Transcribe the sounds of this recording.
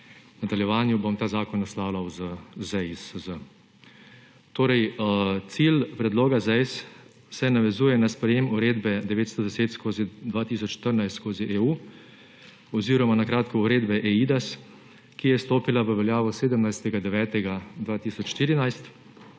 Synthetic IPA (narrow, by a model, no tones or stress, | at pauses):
nad̪aljɛʋaːnjubomt̪aːzaːkɔnɔslaːwlawzəzɛjsəzə | t̪oːɾɛjt̪siːlpɾɛd̪loːɡazɛjsː | ɛnaʋɛzuːjɛnaspɾɛjeːmuɾeːd̪bɛd̪ɛʋeːt̪st̪ɔd̪ɛseːt̪skoːzid̪ʋaːt̪iːsɔt͡ʃʃt̪əɾnajst̪skoːziʔeːu | ɔziːɾɔmanakɾaːt̪kɔuɾeːd̪bɛʔɛiːd̪as | kijɛst̪oːpilaʋəʋɛljaːʋɔseːd̪əmnajst̪ɛɡad̪ɛʋɛːt̪ɛɡad̪ʋaːt̪isɔt͡ʃʃt̪iːɾinajst̪